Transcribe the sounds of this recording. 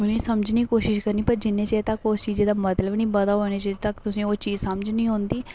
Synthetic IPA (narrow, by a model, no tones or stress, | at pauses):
ʊnĩːsəmd͡ʒniːkoːʃɪʃkəɾniːpəɾd͡ʒɪnːẽːt͡ʃet̪əkoːst͡ʃiːzeːd̪aːmət̪ləbnĩːbəd̪aːɦoːñeːt͡ʃet̪əkt̪ʊsĩːoːt͡ʃiːzsəmd͡ʒnĩːɦõːnd̪iː